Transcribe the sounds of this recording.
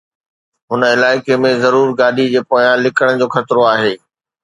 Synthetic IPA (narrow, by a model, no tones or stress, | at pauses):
ɦʊnə̆ɪlaːɪkemẽzɐɾuːɾɡaːɗid͡ʑeːpoːjãlɪkəɽ̃d͡ʑoːxɐt̪ɾoaːɦeː